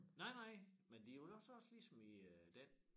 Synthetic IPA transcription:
nɑ̈ɪnɑ̈ɪ̰mend̥ioɒ̽sɒ̽slisɒ̽miød̥en

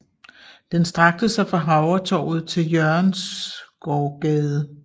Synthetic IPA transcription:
d̥ensd̥ʁɑ̈ɡ̥̚d̥əsɑ̈ɪfʁɑ̈ɦɑ̈ʊɐt͡sʰɒ̰ːʊð̞̩ˠt͡sʰe̝ljœɐnsɡ̥ɒːɡ̥ɛːð̞ˠə

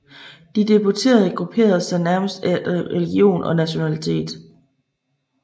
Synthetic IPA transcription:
d̥id̥e̝but͡sʰe̝̰ːɐð̞ˠɡ̥ʁupʰe̝̰ːɐð̞̩ˠsɑ̈ɪnæɐməsd̥æʁɛliɡ̥io̝̰ːnɒ̽næɕo̝nælit͡sʰe̝̰ːd̥

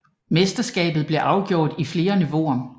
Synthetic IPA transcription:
mesd̥ɐsɡ̥ɛ̰ːb̥ð̩ˠb̥le̝ʔɑ̈ʊɡ̥jo̝ɐ̰ːd̥ifle̝ːɐniʋo̝ɐ

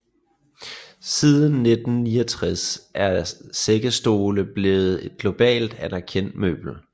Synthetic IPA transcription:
sið̞ˠən̩ːe̝d̥n̩niːɐt͡sʰʁasʔæɐseɡ̥əsd̥o̝ːləb̥le̝ːð̞̩ˠe̝d̥̚ɡ̥lo̝b̥ɛ̰ːld̥ænæɐkʰen̰d̥mø̰ːb̥l̩

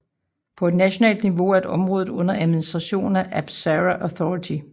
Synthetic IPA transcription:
pʰɒ̽e̝d̥næɕo̝nɛ̰ːld̥niʋo̝æɐedɒ̽mʁɔ̽ːðð̩ˠɔ̽n̰ɐʔæðˠminisd̥ʁɑ̈ɕo̝̰ːnæʔæb̥sæʁæʔɒθɒit͡sʰi

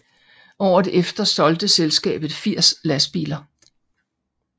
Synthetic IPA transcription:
ɒʊ̰ɐðʔefd̥ɐsɒ̽ld̥əselsɡ̥ɛ̰ːb̥ð̩ˠfiɐ̰slæsb̥ḭːlɐ

